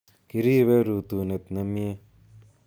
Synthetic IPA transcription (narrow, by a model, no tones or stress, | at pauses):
kiɾiːβeɾuːt̪uːnet̪nɐmie